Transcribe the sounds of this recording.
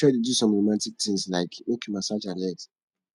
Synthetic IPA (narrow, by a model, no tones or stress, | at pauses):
ɔdidusɔ̃mɹomãntik̚tʰĩŋslaɪkwokʰimasad͡ʒãnɛt